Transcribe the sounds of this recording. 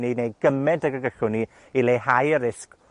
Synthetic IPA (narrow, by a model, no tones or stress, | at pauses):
ninejɡ̥əmɛntəɡəɡəɬʊni | ilehajəɾɪsk